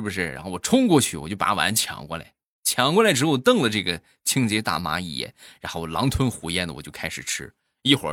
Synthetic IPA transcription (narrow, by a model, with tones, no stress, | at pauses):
ʂɻ̩˥˩bu˩ʂɻ̩˥˩ɻa̰˧˥nxo˥˩ʊwɔ˨˩ʈ͡ʂʰʊ˥ŋkwɔ˥˧t͡ɕʰy̰˥˩wɔ̰˨˩t͡ɕjo˥˩ʊpa̰˧˥wa̰˧˥nt͡ɕʰjɑ̰˧˥ŋkwɔ̰˥˩la̰˨˩˦ | t͡ɕʰjɑ˧˥ŋkwɔ˥˩la˧˥ʈ͡ʂɻ̩˧˥˧t̪ɤ˥˩ŋlə˩ʈ͡ʂɤ˥˩ɡə˩ | t͡ɕʰi˥ŋt͡ɕjɛ˧˥t̪a̰˥˩ma̰˧˥ḭ˥˩jɛ̰˥˩nɻa˧˥nxo˥˩ʊɔ˨˩lɑ̰˧˥ŋt̪ʰwə˥nxu˧˥jɛ˥˩nd̪ə˨wɔ̰˨˩t͡ɕjo˥˧ʊkʰa˥ɪʂɻ̩˨˩ʈ͡ʂʰɻ̩˥ | i˥˩xwə̰˞˧˥